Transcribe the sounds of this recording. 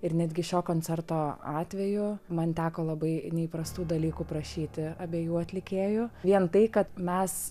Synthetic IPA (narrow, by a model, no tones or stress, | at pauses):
ɪɾnʲæd̪ʲɡʲɪʃʲoːkoːnʲt͡sʲɛrt̪oːɑːt̪ʲʋʲɛjʊmɐnt̪ʲæːkoːlˠɐbɐɪnʲɛiːpɾɐst̪uːd̪ɐlʲiːkuːpɾɐʃʲiːt̪ʲɪɐbʲeɛjuːɐt̪ʲlʲɪkʲeːjʊʋʲiɛnt̪ɐɪkɐt̪mʲɛs